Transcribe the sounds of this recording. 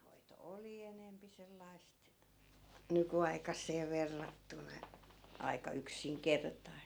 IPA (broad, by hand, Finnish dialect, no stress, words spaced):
hoito oli enempi selːɑi̯st nykyɑikɑsːeː ʋerːɑtːunɑ ɑikɑ yksiŋkertɑist